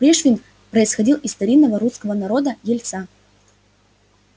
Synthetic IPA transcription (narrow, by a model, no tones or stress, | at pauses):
pɾʲeʂvʲɪnʲ | pɾəɪsxɐdʲilˠʔɪst̪ɐɾʲinːəvəɾuskəvənɐɾo̞d̪əjɪlʲt̪sa